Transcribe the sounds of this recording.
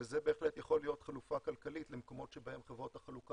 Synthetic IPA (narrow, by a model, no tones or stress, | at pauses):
ezebe̞ːχletjaχo̞lijo̞tχalufakalkalitlemko̞mo̞tʃe̞bahe̞mχevʁo̞thaχaluk